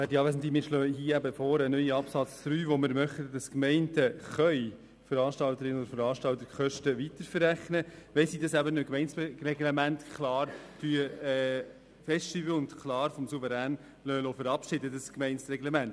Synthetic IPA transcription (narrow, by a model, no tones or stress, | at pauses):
ʋæːdiɑːʋæːsn̩timɪʃløːhiːəæbəfɔːɾənœʏiɑpsɑt͡sd̥ɾyːʋoməɾmœχtəd̥ɑskmɛɪntəχœʏ | fəɾɑːʃtɑlt̪əɾɪnɔd̪ɾfəɾɑːʃtɑlt̪əɾχœʃtəʋit̪əɾfəɾːæχnəʋɛsidɑsæbənøkmɛɪnsrɛɡlɛmæntkʰlɑːɾtyəɛ | fɛstyːbəʊndkʰlɑːɾfɔmsuvəɾæːn | lœːlɔfəɾɑpʃɪdədəskmɛɪnsɾɛɡlemænt